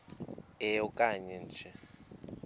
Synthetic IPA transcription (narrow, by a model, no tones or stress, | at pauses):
ɛjɔkʼaɲɛnd͡ʒʱɛ